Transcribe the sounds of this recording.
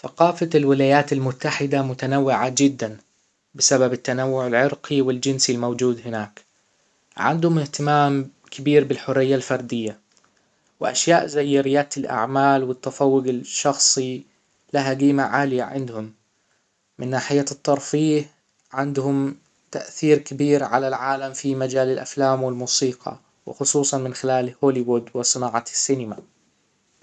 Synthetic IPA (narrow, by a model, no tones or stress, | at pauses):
θaqɑːfalwɪlaːjaːt̪ɪlmʊt̪ːaħɪd̪amʊt̪anawːɪʕad͡ʒɪd̪ːan | bɪsababɪt̪ːanawːʊʕɪlʕɪɾqiwɪld͡ʒɪnsilmowd͡ʒuːd̪hɪnaːk | ʕɪ̰nd̪hʊmɪht̪ɪmaːm | kʰɪbiːɾbɪlħʊrːɪjːalfɑɾˤd̪ɪjːa | wɪʔa̰ʃjaːʔzajːɪɾɪjːaːt̪ɪlʔa̰ʕmaːlwɪt̪ːafɑwːʊɡɪʃːɑxsˤi | laɦaɡiːmaʕaːlɪjaʕɪ̰nd̪hʊmː | ɪnːaːħɪjːat̪ˤːɑɾˤfiːh | ʕɪnd̪hʊm | t̪aʔθiːɾkɪbiːɾʕalalʕaːlamfimad͡ʒaːlɪlʔa̰flaːmwɪlmuːsiːqɑ̰ | wɪ̰xʊsˤuːsˤɑnmɪnxɪlaːlhoːlɪwʊd̪wɪsˤɨnaːʕɑsːɪnɪma